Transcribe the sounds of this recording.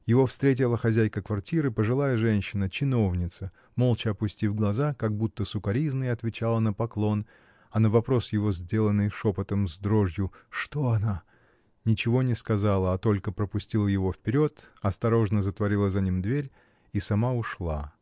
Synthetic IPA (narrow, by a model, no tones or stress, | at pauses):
jɪvo̞fst̪ɾʲet̬ʲɪlˠəxɐzʲæjkəkvɐrtʲiɾɨpəʐɨlˠajəʐɛnʲɕːɪnət͡ɕɪno̞vnʲɪt̪sə | mo̞lˠt͡ɕɪɐpʊsʲtʲivɡlˠɐzakɐɡ̚but̪ːəsʊkɐɾʲiznɨjɐt̪vʲɪt͡ɕalˠənəpɐklˠo̞n | ɐnəvɐpɾo̞sjɪvo̞zʲdʲe̞lˠənːɨjʂopət̪əmzd̪ɾo̞ʐjʊʂt̪oɐna | nʲɪt͡ɕɪvo̞nʲɪskɐzalˠəɐt̪o̞lʲkəpɾəpʊsʲtʲilˠəjɪvo̞fpʲɪɾʲo̞t̪ɐst̪ɐɾo̞ʐnəzət̪vɐɾʲilˠəzɐnʲimd̪vʲeɾʲ | isɐmaʊʂlˠa